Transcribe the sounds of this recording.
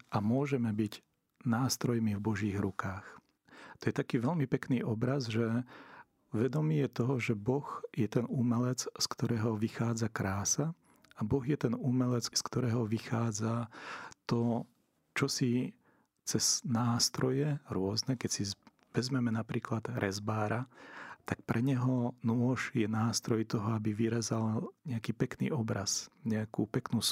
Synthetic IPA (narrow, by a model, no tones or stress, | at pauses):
amʊɔʒɛmɛbiɟ | naːst̪ɾɔjmivbɔʒiːɣɾukaːx | t̪ɔjɛt̪akiːʋɛlmipɛkniːʔɔbɾazʒɛ | ʋɛd̪ɔmiːjɛt̪ɔɦɔʒɛbɔɣjɛt̪ɛnumɛlɛt͡sskt̪ɔɾɛːɦɔʋixaːd͡zakɾaːsa | abɔɣjɛt̪ɛnumɛlɛt͡sskt̪ɔɾɛːɦɔʋixaːd͡zat̪ɔ | t͡ʃɔsi | t͡sɛz̥naːst̪ɾɔjɛɾʊɔznɛkɛcsi | ʋɛzmɛmɛnapɾiːklad̪̥ɾʔɛzbaːɾat̪ak̚pɾʔɛɲɛɦɔnʊɔʒjɛnaːst̪ɾɔjt̪ɔɦɔabiʋiɾɛzalɲɛakiːpɛknḭːɔbɾazɲɛakṵpɛknuːs